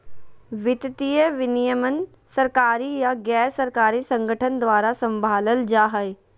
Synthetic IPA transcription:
ʋɪt̪t̪ijəʋɪnijəmənɪ̆ | sɐɾkaːɾijaɡɛːsɐɾkaːɾisɐ̃ŋɡʱəʈʰənd̪ʋaːɾasɐ̃mbʱaːləld͡ʒaːɦəj

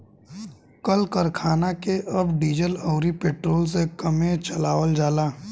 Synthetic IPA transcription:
kəlkəɾkʰaːnakeʔɐbɖiːd͡ʒəlɔːɾipeːʈɾoːls̬ekəmẽt͡ʃəlaːʋəld͡ʒaːlaː

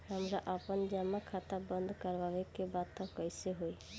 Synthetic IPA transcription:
ɦamɾaʔapɔnd͡ʒamakʰat̪abɔnd̪ʱkɔɾbʱabekːebat̪ːakɔjseɦoj

